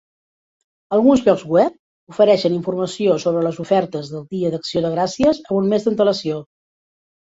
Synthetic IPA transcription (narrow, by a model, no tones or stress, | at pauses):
əlˠɣunzβɔɡzɣwɛp̚ | ufəɾɛʃəniɱfurməsiosoβ̞ɾələzufɛrt̪əzðəlˠd̪iəd̪əksioðəɣ̞ɾasiəzəmunmezðənt̪ələsio